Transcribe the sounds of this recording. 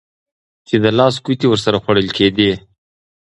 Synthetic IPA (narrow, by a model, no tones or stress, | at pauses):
t͡ʃed̪əlɑs̬kut̪iwəɾsaɾaxwaɽəlkʰed̪i